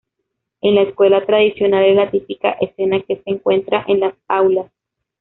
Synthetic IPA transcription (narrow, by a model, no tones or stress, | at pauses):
e̞nlaeskwe̞lat̪ɾaðisjo̞nald̪elat̪ipika̰ʔese̞nake̞seːŋkwent̪ɾaʔenlasawlas